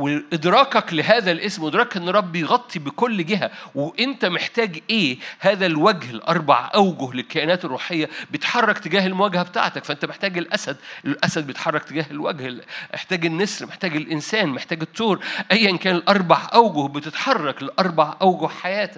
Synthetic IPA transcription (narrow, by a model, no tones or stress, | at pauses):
weʔed̪ɾˤɑːkɑkleɦæːðælʔesmʔɪd̪ɾˤɑːkʔenːɑɾˤːɑbːejɣɑt̪ˤːibekolːɡɪɦæweʔent̪æmeħt̪æːɡʔeːhæːðælwæɡhelʔɑ̰ɾˤbɑ̰ʕʔæwɡʊhlelkːæʔenæːt̪erˤːuːħejːæbejet̪ħɑrˤːɑkt̪eɡæːɦelmowæːɡæhæbet̪a̰ʕt̪ækfæʔent̪æmeħt̪æːɡelʔæsæd̪ʔelʔæsæd̪̚bejet̪ħɑrˤːɑk̚t̪eɡæːhelwæ̰ɡhmḛħt̪æːɡenːeslmeħt̪æːɡelʔɪnsæːnmeħt̪æːɡet̪ˤːoːɾʔæjːæʔenkæːnelʔɑɾˤbɑʕʔæwɡohbet̪et̪ħɑrˤːɑkleʔɑɾˤbɑʕʔæwɡohħajæːt̪æk